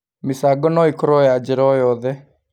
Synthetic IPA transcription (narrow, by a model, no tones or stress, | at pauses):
misaːɡɔnoːikʰɾoːjaːd͡ʒeɾoːjoːd̪ɛ